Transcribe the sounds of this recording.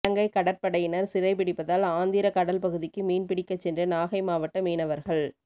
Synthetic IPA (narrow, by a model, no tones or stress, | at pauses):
ɐŋɡɐɪkːɐɽɐɾpɐɽɐjɪnɐɾsɪrɐɪpɪɽɪpːɐðaːlaːnd̪ɪɾɐkɐɽɐlpɐɣɯðɪkːɯmiːnpɪɽɪkːɐt͡ʃːɛndrɯnaːɣɐɪmaːʋɐʈːɐmiːnɐʋɐɾɣɐɭ